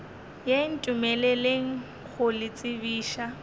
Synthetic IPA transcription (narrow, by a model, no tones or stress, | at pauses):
jen̩tʼumɛleleŋ̩ | k͡xʰʊlɪt͡sʼɪbiːʃa